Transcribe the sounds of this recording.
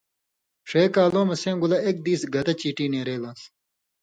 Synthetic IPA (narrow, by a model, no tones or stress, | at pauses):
ʂeːkaːlõːmɐsẽːɡulɐek̚d̪iːsɡɐt̪ɐt͡ɕiːʈiːnẽːɾeːlɐ̃ːns